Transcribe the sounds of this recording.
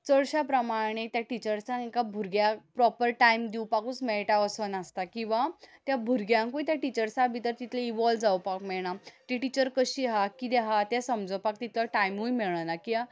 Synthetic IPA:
t͡səɭɕapɾəmaɭɳ̃et̪jaʈit͡ɕəɾsãŋekabʱuɾɡjapɾɔpəɾʈajmd̪iwpakut͡smɛɭʈaəsənast̪akĩw̃ʋat̪jabʱuɾɡjãŋkũjt̪jaʈit͡ɕəɾsãbʱit̪əɾt̪it̪leiʋɔld͡zawpakmɛɭɳ̃at̪iʈit͡ɕəɾkəɕiːɦakid̪eɦat̪jasəmd͡zɔwpak̚t̪it̪lɔʈajmɦujmeɭɳanakiɦa

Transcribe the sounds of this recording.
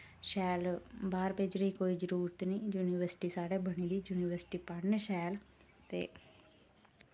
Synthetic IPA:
ʃɛːlbaːɾpeːd͡ʒɾəĩːkoːiːd͡ʒəɾuːɾət̪nĩːjuːniʋəɾsʈiːsaːɽeːbəɳ̃iːd̪iːd͡ʒuːniʋəɾsʈiːpaɽneːʃɛːl | t̪ḛː

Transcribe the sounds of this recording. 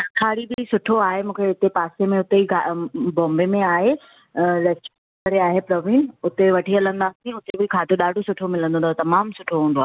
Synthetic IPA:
ɐkʰaːɽibɪsʊʈʰoaːɦemũːkʰeɪt̪epaːsemẽʊt̪eiɡʱabɔ̃ːmbemẽaːɦe | lɛst͡ʃ | əɾeaːɦepɾɔːʋĩːnʊt̪eʋɐʈʰiɐlə̃nd̪aːsʊt̪ebʱɪkʰaːd̪ʱoɗaːɖʱosʊʈʰomɪlə̃nd̪õnd̪ot̪ɐmaːmsʊʈʰoɦũːnd̪oaːɦe

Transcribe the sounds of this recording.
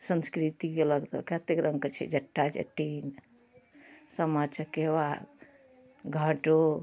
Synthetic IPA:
sənskɾit̪ikeləɡt̪o̰kat̪ekɾə̃ŋkət͡ʃʰɛ̰d͡ʒɐʈʰːad͡ʒḛʈin | səmat͡ʃʰakeβad | ɡʱaʈo

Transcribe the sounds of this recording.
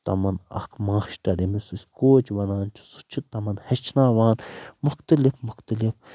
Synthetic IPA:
t̪ɐ̰mɐnɐ̰kʰmaːʃʈɐɾimisisʲkoːt͡ʃʋɐnaːnt͡ʃʰu̥su̥t͡ʃʰit̪ɐmɐnhɐt͡ʃʰnaːʋaːnmʊxt̪ɐlifmʊxt̪ɐlif

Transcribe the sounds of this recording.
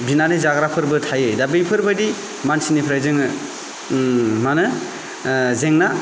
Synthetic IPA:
binanɯzaɡɾapʰɯɾbɯtʰajɯdabɯjpʰɯɾbɯdi | mansinipʰɾajzɯŋɯ | manɯ | zeŋna

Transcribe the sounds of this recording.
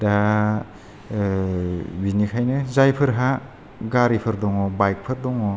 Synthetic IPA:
da | binikʰajnɯzajpʰɯɾɦa | ɡaɾipʰɯɾdɔŋɔbajk̚pʰɯɾdɔŋɔ

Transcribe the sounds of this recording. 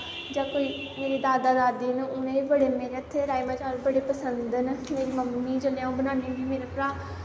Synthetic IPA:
d͡ʒãːkoːiː | meːɾiːd̪aːd̪aːd̪aːd̪iːnũːʊnẽːibəɽeːmeːɾeːt̪ʰːeːɾaːimãːt͡ʃaːɾbəɽeːpəsənd̪nmeːɾiːməmːiːd͡ʒəlãõːbənaːniʋiːmeːɾepɾaː

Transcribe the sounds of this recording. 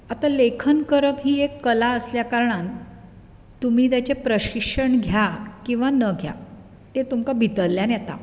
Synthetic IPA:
at̪alekʰənkəɾəpɦiːekːəlaəsljakaɾɳan | t̪um̤iːt̪̬jat͡ɕepɾəɕikʂəɳɡʱjakĩw̃ʋanəɡʱja̰ | t̪et̪umkabʱit̪əlːjanjɛt̪a̰

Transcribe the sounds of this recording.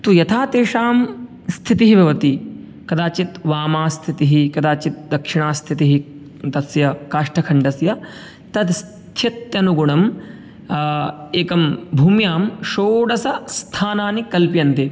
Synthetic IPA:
t̪ujɐt̪ʰaːt̪eːʂaːm | st̪ʰit̪iɦibʱɐʋɐt̪i | kɐd̪aːt͡ʃit̪ʋaːmaːst̪ʰit̪iɦikɐd̪aːt͡ʃit̪̚d̪ɐkʂiɳaːst̪ʰit̪iɦi | t̪ɐsjɐkaːʂʈɐkʰɐɳɖɐsjɐ | t̪ɐd̪s | t̪ʰjɐt̪jɐnuɡuɳɐm | eːkɐmbʱuːmjaːmʃoːɖɐsɐst̪ʰaːnaːnikɐlpjɐnt̪i

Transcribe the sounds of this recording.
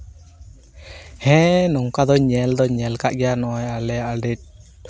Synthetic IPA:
hɛ̃nɔŋkad̪ɔɲɛld̪ɔɲɛlkaʔɡɛanɔjalɛaɖɛt̚

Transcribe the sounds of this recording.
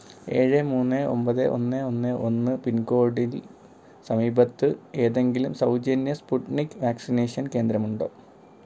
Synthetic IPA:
e̞ːɻɨmuːnːeo̞̰mpɐðeʔo̞̰nːeo̞nːɨʔo̞nːɨpinɡo̞ːɽil | sɐmiːbɐt̪ːɨe̞ːðe̞ŋɡilumsɐwd͡ʑenjɐspuʈnikːɨʋaːksineːʂɐnke̞ːnd̪ɾɐmuɳɖo̞̰ː

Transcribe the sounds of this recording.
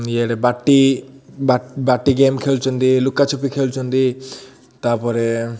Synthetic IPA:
ieɾebaʈːibabaʈːiɡemkʰelt͡ʃʰond̪ilukːat͡ʃʰopikʰelt͡ʃʰond̪i | t̪aɾpɔɾe

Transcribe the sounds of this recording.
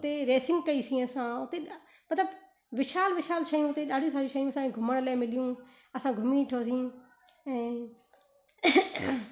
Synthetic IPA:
t̪eːɾeːsɪ̃ŋɡkəiːsĩːəsãːʊt̪eːɗ | mət̪ləb | ʋɪʃaːlʋɪʃaːlʃəjũːʊt̪eːɗaːɽʱĩːsaːɽiːʃəjũːəsãːɡʱʊməɽ̃laːmɪlɪjũː | əsãːɡʱʊmĩːʈʰoːs̬ĩː | ɛ̃ː

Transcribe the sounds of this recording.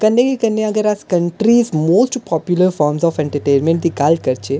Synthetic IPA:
kɐnːekikɐnːẽɐɡəɾaːskɐɳʈɾiːzmoːsʈpɔːpjuləɾfɔːɾmzɔːfɛ̃ɳʈəɾʈeːnmẽɳʈ̚d̪ikalkɐɾt͡ʃʰe

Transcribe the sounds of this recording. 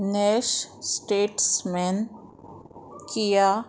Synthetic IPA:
nɛːʃsʈeːʈsmɛn | kijaː

